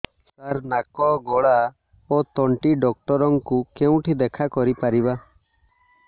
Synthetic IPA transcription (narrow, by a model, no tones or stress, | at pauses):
saɾnakɔɡɔɽa | ot̪ɔɳʈiɖɔk̚ʈɔɾɔŋkukeũʈʰid̪ɛkʰakɔɾipaɾiba